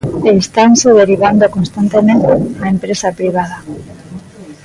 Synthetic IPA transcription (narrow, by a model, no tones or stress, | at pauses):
est̪anseð̞eɾiβ̞and̪okonst̪ant̪emẽnt̪eaempɾesapɾiβ̞að̞a